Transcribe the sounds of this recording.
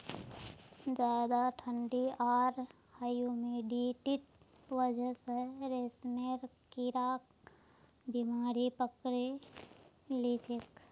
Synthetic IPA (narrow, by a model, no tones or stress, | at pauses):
d͡ʒaːd̪aʈʰə̃ɳɖiaːɾ | haːjumẽɖiʈit̪̚ | wəd͡ʒʱəseɾesmeɾ | kiɾaːk̚ | bimaːɾipəkɾe | lisek